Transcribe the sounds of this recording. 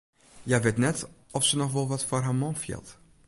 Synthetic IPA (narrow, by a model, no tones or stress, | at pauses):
jaʋɪtnɛt | ɔfsənɔxʋɔlˠʋɔtforɦamɔnfjɪ̰lˠt